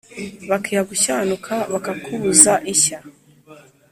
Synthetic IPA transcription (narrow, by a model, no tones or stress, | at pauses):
βakʰihaɡuɕaːnukʰaβakakʰuβuzaʔiça